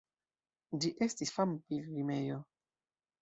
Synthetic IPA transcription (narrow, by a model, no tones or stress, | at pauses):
d͡ʒiʔestisfampilvimejo